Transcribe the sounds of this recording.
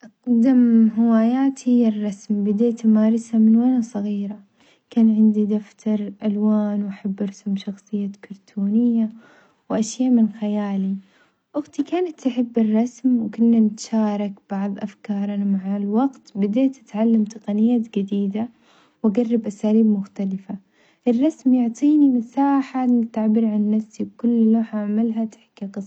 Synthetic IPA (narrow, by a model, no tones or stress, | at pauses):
ʔqd̪amɦɪwaːjaːt̪hɪjːarˤːɑsmbɪd̪eːt̪maːɾˤɑsamɪnwanasˤɑɣiːɾa | kaːnʕɪnd̪id̪aft̪ʰɑɾˤʔalwaːnwʔaħabːɑɾˤɑsmʃɑxsˤɨjːakɑɾˤt̪ʰuːnɪjːa | wʔaʃjaːmɪnxajaːli | ʔʊɣt̪ikaːnat̪ːaħɪbːɪrˤːɑsmwkʊnːanɪt̪ʃaːɾˤɑkb̥ɑʕðˤʔafkɑːɾˤɑnamaʕalwɑɡt̪bɪd̪eːt̪ʔat̪ʕalːamt̪ɨqɑnɪjːaːt̪d͡ʒɪd̪iːd̪a | waɡarˤːɑbʔasaːliːbmʊxt̪alɪfa | ʔɪrˤːɑsmjʊʕt̪ˤiːnimɪsaːħanɪt̪aʕbɪɾʕanːafsiwkʊlːloːħʔaʕmalɦat̪ħkːiqɨsˤ